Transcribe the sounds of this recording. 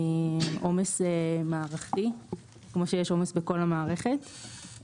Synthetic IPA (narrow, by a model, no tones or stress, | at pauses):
ʔomesemaːʁaχt̪i | kmo̞ʃejeʃo̞mesbeko̞lamaːʁeχet